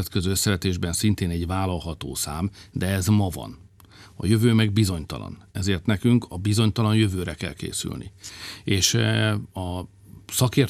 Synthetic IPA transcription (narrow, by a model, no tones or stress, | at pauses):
ɛt̪køzøːøsːɛɾɛt̪eːʒbɛnsint̪eːnɛɟvaːlɒlɦɒt̪o̰ːsaːmd̪ɛɛzmɒvɒ̰n | ɒ̰jø̞vøːmɛɡ̚bizo̞ɲt̪ɒ̰lɒ̰nɛzeːrt̪nɛkyŋkʰɒbizo̞ɲt̪ɒlɒnjø̞vøːɾɛkɛ̰lkḛːsy̰lnḭeːʃ | ɒ | sɒkeːr